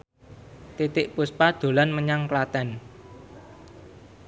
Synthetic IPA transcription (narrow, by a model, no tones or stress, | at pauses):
t̪it̪ɪʔpuspad̪̥o̤lanməɲaŋklat̪ɛn